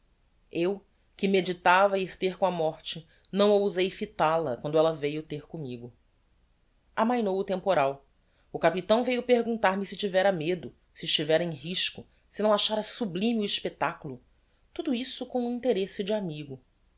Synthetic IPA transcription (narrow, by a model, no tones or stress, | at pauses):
ew | kɪmed͡ʒit̪avɐiɾt̪eɾkõɐmɔɾt͡ʃɪ | nɐ̃w̃owzejfit̪alɐkwɐ̃nd̪ʊɛlɐvejʊt̪eɾkõmiɡʊ | amɐ̃j̃nowʊt̪ẽmpoɾaw | ʊkapit̪ɐ̃w̃vejʊpeɾɡũnt̪aɾmɪsɪt͡ʃivɛɾɐmed̪ʊ | sɪiːʃt͡ʃivɛɾɐẽj̃ɦiʃkʊ | sɪnɐ̃w̃aʃaɾɐsublĩmɪʊiʃpet̪akulʊ | t̪ud̪ʊisʊkõw̃ũĩnt̪eɾesɪd͡ʒɪamiɡʊ